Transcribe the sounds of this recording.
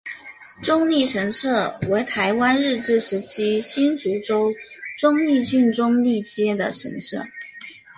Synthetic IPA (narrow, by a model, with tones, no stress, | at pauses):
ʈ͡ʂʊ˥ŋli˥˩ʂə˧˥nʂɤ˥˩we˧˥ɪt̪ʰa˧˥ɪwa˥nɻɻ̩˥˧ʈ͡ʂɻ̩˥˩ʂɻ̩˧˥t͡ɕʰi˥ɕi˥nt͡su˧˥ʈ͡ʂo˥ʊʈ͡ʂʊ˥ŋi˥˧t͡ɕy˥˧nʈ͡ʂʊ˥ŋli˥˩t͡ɕjɛ˥d̪ə˨ʂə̰˧˥nʂɤ̰˥˩